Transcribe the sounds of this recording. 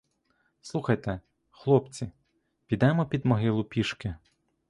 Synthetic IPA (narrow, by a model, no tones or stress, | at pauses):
slˠuxɐjt̪ɛ | xlˠɔpt͡sʲi | pʲid̪ɛmɔpʲid̪mɔɦɪlˠʊpʲiʃkɪ